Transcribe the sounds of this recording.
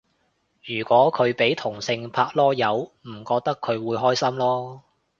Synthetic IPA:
jyː˨˩kʷɔː˨˥kʰɵ˨˧ɥpe˨˥jt̪ʰʊ˨˩ŋsɪ˧ŋpʰaː˧k̚lɔː˥jɐ˨˧wm̩˨˩kɔː˧k̚t̪ɐ˥kʰːɵ˨˧ɥwuː˨˧jɦɔː˥jsɐ˥mlɔː˥

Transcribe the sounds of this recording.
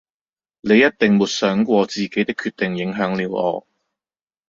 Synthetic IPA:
le˨˧jɐ˥t̚t̪ɪ˨ŋmuː˨˧t̚sœː˨˥ŋkʷɔː˧t͡siː˨ke˨˥jt̪ɪ˥kʰyː˧t̚t̪ɪ˨˩ŋjɪ˨˥ŋɦœː˨˥ŋliː˨˧wɔ̰ː˨˧

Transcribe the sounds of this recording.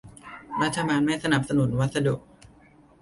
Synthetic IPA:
ɾa˦˥t̪ʰːa˧baː˧nmaː˥˩sa˧na˨˩p̚sa˧nu˩˦nwa˦˥t̪̚sa˧du˨˩k̚

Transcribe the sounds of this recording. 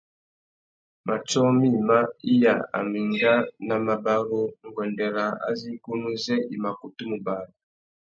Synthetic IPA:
mʔa˨t͡ʃo˦mi˦˨ma˦i˦ja˨a̰˨mi˨ŋɡa˦na˨ma˨ba˦ɾu˦nu˨ɡwe˨nde˨ɾa˨a̰˦zi˦ku˦nu˦ze˦ʔi˨ma˨ku˨tu˦mu˨baː˨da˨

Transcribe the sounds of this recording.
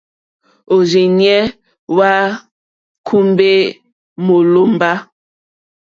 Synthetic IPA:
o˨d͡ʒe˨ɲɛ˦ | wa˦ | kʰu˦mbe˦ | mo˨lo˦m˦ba˦

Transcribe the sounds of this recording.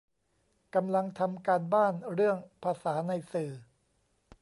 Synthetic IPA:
ka˧mla˧ŋt̪ʰa˧mkaː˧nbaː˥˩nɾɯ˥˩əŋpʰaː˧saː˩˦na˧jsɯː˨˩

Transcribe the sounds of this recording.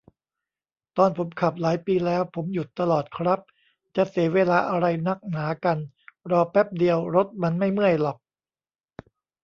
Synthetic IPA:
t̪ɔː˧˩npʰo˩˦mkʰa˨˩p̚laː˩˦jpiː˧lɛː˦˥wpʰo˩˦mju˨˩t̪ːa˧lɔː˨˩t̪̚kʰɾa˦˥p̚ | t͡ɕa˨˩siː˩˦weː˧laː˧ʔa˧ɾa˧jna˦˥k̚naː˩˦ka˧n | ɾɔː˧pɛ˦˥p̚di˧əwɾo˦˥t̪̚ma˧nma˥˩jmɯ˥˩əjlɔ˨˩k̚

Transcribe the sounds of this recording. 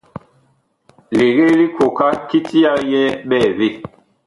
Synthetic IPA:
le˨ɣe˦li˦ko˨ka˦ki˦ti˦a˦jɛ˦ɓɛː˦˨βe˦˨

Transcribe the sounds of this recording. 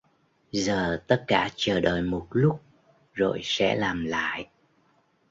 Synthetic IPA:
zəː˨˩t̪ə˦˥t̚kaː˧˩t͡ɕəː˧˩ɗəː˧˨˩jmo˨˩t̚lʊ˦˥k͡p̚ | zo˨˩jsɛ̰˧˥laː˨˩mla̰ː˧˨j

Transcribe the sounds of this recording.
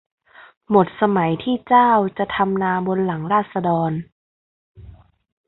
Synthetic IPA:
mo˨˩t̪̚sa˧ma˩˦jt̪ʰiː˥˩t͡ɕaː˥˩wt͡ɕa˨˩t̪ʰa˧mnaː˧bo˧nla˩˦ŋɾaː˥˩t̪̚sa˧dɔː˧n

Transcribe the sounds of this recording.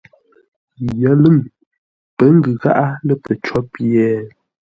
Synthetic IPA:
jə˨˦lə˦˨ŋ | pə˨˦ŋ̩˦ɡɯ˨ɣa˦ʔa˦lə˦pə˨t͡ʃɔ˦pjɛː˦

